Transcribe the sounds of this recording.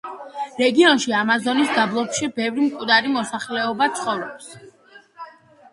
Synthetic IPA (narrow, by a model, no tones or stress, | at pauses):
ɾɛɡiɔnʃiamazɔnisd̪ablˠɔpʃibɛvɾimkʼwd̪aɾimɔsaχlɛɔbat̪sʰχɔvɾɔps